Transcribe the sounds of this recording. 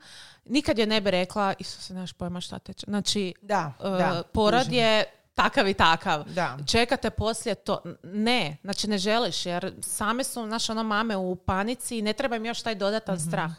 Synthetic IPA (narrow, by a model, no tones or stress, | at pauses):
nikad̪jenebiɾe̞klˠaiʃt̪o̥senaʃpoimaʃt̪a̰t̪et͡ʃznaːt͡ʃiapoɾod̪je | t̪akaʋit̪akaʋt͡ʃe̞kat̪epo̞sljet̪o̰neznat͡ʃineʒeliʃjeɾsaːmesunaʃeo̞nomaːmeupanit̪siːne̞t̪ɾebaimjo̞ʃt̪aːjd̪o̞d̪at̪anst̪ɾaːx